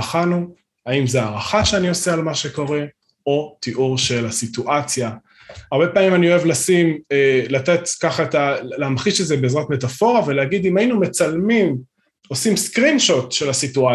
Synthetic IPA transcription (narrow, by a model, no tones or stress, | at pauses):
χanu | aimzeaːʁaχaʃeanio̞sealmaʃeko̞ʁe̞ | o̞t̪iʔuʁʃe̞lasituʔat͡sja | aʁbe̞paːmimanio̞e̞vlasimelat̪etkaχaetaleamχiʃezebeezʁatme̞tafo̞ʁaveleaɡid̪imajinume̞t͡salmim | o̞simskʁinʃotʃe̞lasitua